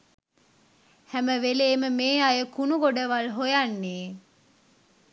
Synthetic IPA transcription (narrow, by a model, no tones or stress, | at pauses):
hæməʋeleːməmeːajəkunuɡoɖəʋalɦojanːeː